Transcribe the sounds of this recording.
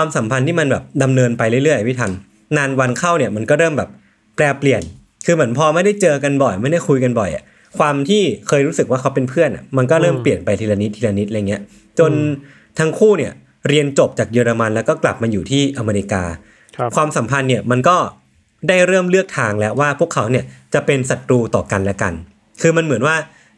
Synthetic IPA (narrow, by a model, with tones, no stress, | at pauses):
kʰwaː˧msa˨˩˦mpʰa˧nt̪ʰiː˥˩ma˧nbɛ̰ː˨˩p̚da˧mnɤː˧npa˧jlɯ˥˩lɯ˥˩əʔa˧˩pʰi˥˩t̪ʰa˧ŋ | naː˧nwa˧nkʰa˥˩wni˥˩ɐma˧nkɔː˥˩ɾɤː˥˩mbɛː˨˩p̚ː | lɛː˧pli˨˩ən | kʰɯː˧m˩˦ənpʰɔː˧ma˥˩jda˥˩jt͡ɕɤː˧ka˧nbɔ˨˩jma˥˩jda˥˩jkʰu˧jka˧nbɔ˨˩jʔa̰˨˩ | kʰwaː˧mt̪ʰiː˥˩kʰɤː˧jɾuː˦˥sɯ˨˩k̚waː˥˩kʰa˦˥wpe˧npʰɯ˥˩ənʔa̰˨˩ma˧nkɔː˥˩ɾɤː˥˩mppli˨˩ənpa˧jt̪ʰiː˧la˧ni˦˥t̪ʰːiː˧la˧ni˦˥ʔa˧jŋi˦˥ɐ | t͡ɕo˧n | t̪ʰa˦˥ŋkʰuː˥˩ni˥˩ɐ | ɾi˧ənt͡ɕo˨˩p̚t͡ɕaː˨˩k̚jɤː˧ɾa˧ma˧nlɛː˦˥wkɔː˥˩kla̰˨˩p̚maː˧juː˨˩t̪ʰiː˥˩ʔa˧meː˧ɾi˧˥ka̰ː˧ | kwaː˧msa˩˦mpʰa˧nːi˥˩əma˧nkɔː˥˩ | daː˥˩jɾɤː˥˩mlɯ˥˩ək̚t̪ʰaː˧ŋlɛ˦˥waː˥˩pʰu˥˩əkʰːa˩˦wni˥˩ɐt͡ɕa˨˩pe˧nsa˨˩t̪̚ɾuː˧t̪ɔː˨˩ka˧nlɛ˦˥ka̰˧n | kʰɯː˧ma˧nmɯ˩˦ə˦nwaː˥˩